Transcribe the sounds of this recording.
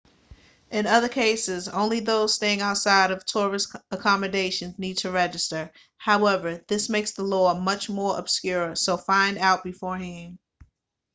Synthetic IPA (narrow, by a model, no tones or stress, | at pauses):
ʔɨ̃nʌðə˞kʰeɪsɪzõ̰ʊ̃nliðoʊz̥steɪɪ̃ŋaʊtsaɪɾʌv̥tʰɔɹɨsəkʰɑmɨdeɪʃɨ̃nznid̚tʰɨɹɛd͡ʒɨstə˞ | haʊɛvə˞ðɪsmeɪksðəlɔmʌt͡ʃmɔɹə̰b̥skjʊɹəsoʊfãɪ̃ndaʊt̚b̥ɨfɔɹɦɪ̃m